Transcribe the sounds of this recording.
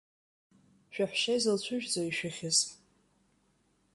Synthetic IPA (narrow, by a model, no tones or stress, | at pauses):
ʃᶣaħʃajzɨlt͡ɕʷʰʊʒᶣd͡zoiʃᶣaχʲɪzʼ